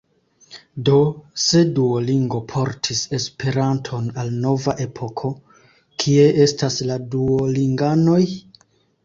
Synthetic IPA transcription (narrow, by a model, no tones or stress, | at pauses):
do̞se̞duoliŋɡo̞pʰo̞ɾtʰise̞spʰe̞ɾantʰo̞nalno̞vaʔe̞pʰo̞kʰo̞ | kʰie̞ʔe̞stasladuoliŋɡano̞j